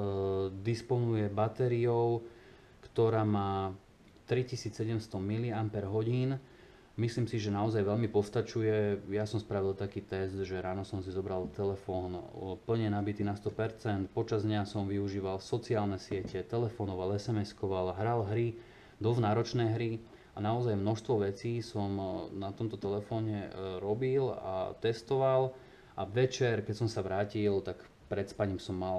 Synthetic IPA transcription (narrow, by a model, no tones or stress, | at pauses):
d̪ispɔnujɛbat̪ɛɾiɔʊ | kt̪ɔɾaːmaː | t̪ɾicisiːt͡sːɛɟɛmst̪ɔmiliampɛɾɦɔɟiːn | misliːmsiʒɛnaɔzajʋɛʎmipɔst̪at͡ʃujɛjasɔmspɾaʋilt̪akiːt̪ɛsd̪ʒɛɾaːnɔsɔmsizɔbɾalt̪ɛlɛfɔːnpl̩ɲɛnabit̪iːnast̪ɔpɛɾt͡sɛnt̪pɔt͡ʃazd̪ɲasɔmʋiuʒiːʋalsɔt͡siaːlnɛsɪɛcɛt̪ɛlɛfɔnɔʋalɛsɛmɛskɔʋalɦɾalɦɾi | d̪ɔznaːɾɔt͡ʃnɛːɦɾi | ʔanaɔzajmnɔʃst̪ʋɔʋɛt͡siːsɔmnat̪ɔmt̪ɔt̪ɛlɛfɔːɲɛɾɔbila̰t̪ɛst̪ɔʋal | ʔa̰ʋɛt͡ʃɛɾkɛtsɔmsaʋɾaːcilt̪ak | pɾɛt̪spaɲimsɔmːal